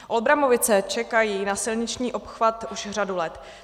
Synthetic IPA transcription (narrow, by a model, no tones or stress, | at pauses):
ʔo̞lbɾamo̞vɪt͡sɛt͡ʃɛkajiːnasɪlɲɪt͡ʃɲiːʔo̞pxvat̪uʃr̝adulɛt̪